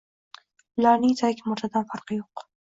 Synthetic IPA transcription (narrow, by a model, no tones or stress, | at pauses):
lɑnit̪ʰakʲmʊɾt̪ʰad̪anfaɾqjoq